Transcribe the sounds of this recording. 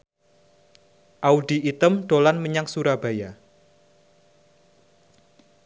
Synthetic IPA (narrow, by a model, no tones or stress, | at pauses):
ʔaudiit̪əmɖ̥olanməɲaŋsuɾab̥a̤ja